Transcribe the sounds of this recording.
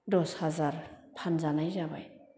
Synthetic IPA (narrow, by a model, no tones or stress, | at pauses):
dɔshazaɾpʰanzanajzaba̰j